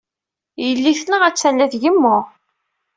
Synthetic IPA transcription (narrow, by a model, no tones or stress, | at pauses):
jəlːiθnəʁæt͡sːælːæðʝəmːʊʁ